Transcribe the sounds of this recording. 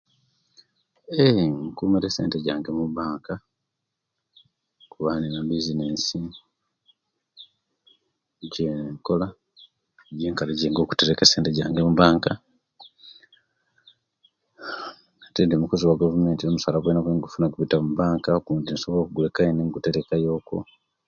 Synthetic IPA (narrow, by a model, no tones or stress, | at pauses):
eŋkuːmeɾeseːnteɟaːŋɡe̞muβaːŋka | kuβaninabizineːnsi | ɟeŋko̞la | ɟeːŋkaleɟeːŋɡo̞ːku̥teɾekese̞ːnteɟaːŋɡemuβaːŋka | katendimukuziwaɡavume̞ːntinomusalaβwenaβweŋɡufunaɡuβitamuβaːŋkakundinsoβolokuɡulekaeneŋɡute̞ɾekajo̞ːko̞̰